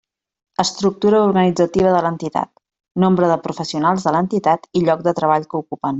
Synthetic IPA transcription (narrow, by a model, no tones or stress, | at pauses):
əst̪ɾuk̚t̪uɾəuɾɣənid͡zət̪iβəðələnt̪it̪a̰t̪ | nombɾəðəpɾufəsiunalˠzðələnt̪it̪at̪iʎɔk̚d̪ət̪ɾəβaʎkəukupən